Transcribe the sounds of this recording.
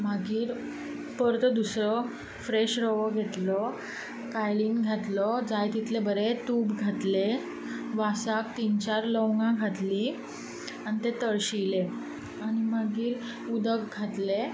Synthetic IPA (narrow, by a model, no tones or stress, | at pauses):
maɡiːɾ | pəɾt̪əd̪usɾɔ | fɾeɕɾəʋəɡʱet̪lɔ | kajliŋɡɡʱat̪lɔd͡zajt̪it̪lebəɾet̪ubɡʱat̪le | ʋasak̚t̪int͡ɕaɾlɔwŋɡãɡʱat̪li | anit̪et̪əɭɕile | añimaɡiːɾ | ud̪əkɡʱat̪le